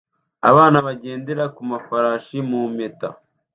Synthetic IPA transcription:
a̰βaːnaβaɟe̞ːndeɾakumafaɾaːʃimumeta̰

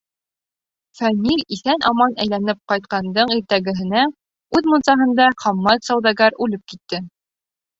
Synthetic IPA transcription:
fænʲilʲiθænʔɑmɑnæjlænɘp̚qɑjt̪̚qɑnd̪ɤɴiɾt̪æɡɘ̆ɦɘ̆næ | ʉðmɤ̆nsɑɦɤ̆nd̪ɑχɑmːɑt̪sɑwd̪ɑɡɑɾʉlɘp̚kit̪ːɘ

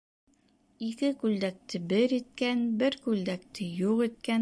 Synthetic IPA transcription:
ikɘkʉld̪æk̚t̪ɘbɘɾit̪̚kænbɘɾkʉld̪æk̚t̪ɘjuqit̪̚kæn

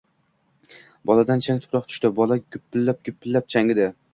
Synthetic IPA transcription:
bɒlˠad̪ant͡ʃʰaŋʲt̪ʰʊ̥pɾɒq̚t̪ʰʊ̥ʃt̪ɪbɒlˠaɡʲʊpːɪlːap̚ɡʲʊpʰːɪlːap̚t͡ʃʰaŋɪd̪ɪ

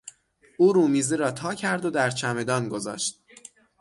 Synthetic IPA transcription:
ʔuːɾuːmiːzeɾɒːt̪ʰɒːcʰæɾd̪o̞d̪æɾt͡ʃʰæme̞d̪ɒːnɡo̞zɒ̰ːʃt̪̚

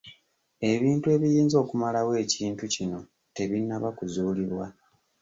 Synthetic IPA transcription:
e̞βiːntue̞ːβijiːnzo̞ːkumalawe̞ːciːntucino̞ | te̞βinːaβakuzuːliβwa

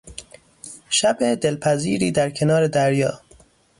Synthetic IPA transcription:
ʃæbed̪elpʰæziːɾiːd̪æɾkʰe̞nɒːɾed̪æɾjɒː

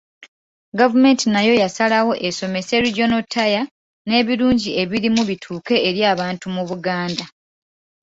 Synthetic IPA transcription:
ɡavume̞ntinajo̞jasalawo̞ʔe̞so̞me̞se̞ɾiɟo̞notʰːaja | ne̞ːβiɾuːɲɟie̞βiɾimuβitʰuːke̞ːɾjaːβaːntumuβuɡaːnda

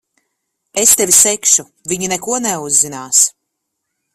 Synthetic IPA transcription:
est̪ɛvʲisɛkʃu | viɲinɛkuɔnɛuzːinaːs

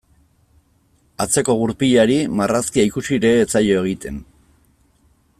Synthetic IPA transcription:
at͡se̞ko̞ɣuɾpiʎaɾimaraskiaikusiɾe̞ːt͡saʎo̞e̞ɣ̞it̪e̞n

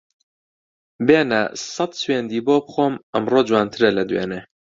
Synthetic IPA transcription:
beːnɐ̰sɐt̪sweːnd̪iːboːbɨxoːmʔɐmroːd͡ʒwaːnt̪ʰɨɾɐlɐd̪wḛːneː

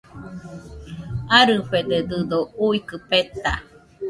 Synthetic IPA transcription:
aɾɨɸed̪ed̪ɨd̪ouikɨpet̪a̰

